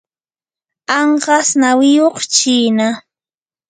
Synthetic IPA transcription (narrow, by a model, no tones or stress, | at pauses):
ɑɴɢɑsnawɪjoχt͡ʃiːna